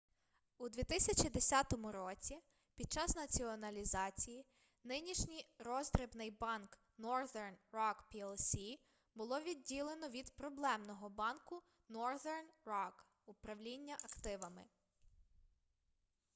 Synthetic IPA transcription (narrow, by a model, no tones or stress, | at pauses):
ud̪ʋʲit̪ɪsʲɐt͡ʃid̪esʲɑt̪ɔmʊɾɔt͡sʲi | pʲid̪̚t͡ʃɑsnɐt͡sʲiɔnɐlʲizɑt͡sʲiji | nɪnʲiʃnʲijɾɔzd̪ɾɪbnɪjbɑnk | nɔrðɛrnrɔkpʲiɛlˠsʲi | bʊlˠɔʋʲidʲːilˠenɔʋʲid̪pɾɔblˠɛmnɔɦɔbɑnkʊ | nɔrðɛrnrɔk | ʊpɾɐwlʲinʲːɐʔɐkt̪ɪʋɐmɪ̰